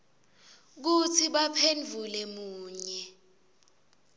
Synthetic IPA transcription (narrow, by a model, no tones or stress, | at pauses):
k̬utʰiɓapʰend͡ɮʱulɛmuːɲɛ